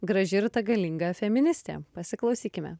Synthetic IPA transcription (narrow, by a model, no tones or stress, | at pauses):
ɡɾɐʒʲɪɾt̪ɐɡɐlʲɪŋɡɐfʲɛmʲɪnʲɪsʲt̪ʲḛːpɐsʲɪklˠɒʊsʲiːkʲɪmʲɛ̰